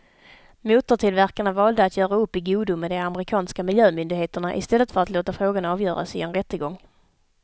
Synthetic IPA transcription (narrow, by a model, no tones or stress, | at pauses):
muːt̪ʊʈʰɪlvæɾkaɳavɑːld̪əat̪ʰjœːɾaɵpːɪɡuːd̪ʊmɛd̪ɛaməɾɪkʰɑːnskamɪljøːmʏnd̪ɪɡheːt̪əɳaʔɪ̰st̪ɛlːət̪fœɾat̪loːt̪afɾoːɡanɑːvjœːɾa̰sɪɛnɾɛt̪ːəɡɔŋː